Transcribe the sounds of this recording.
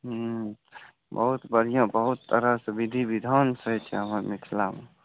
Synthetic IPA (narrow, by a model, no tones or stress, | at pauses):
ɦ | bə̰ɦut̪bəɾ̤ijãbəɦut̪ːəɾasəbid̪ʱibid̪ʱaːnsəɦit͡ʃʰɛɦəməɾmɪt̪ʰlam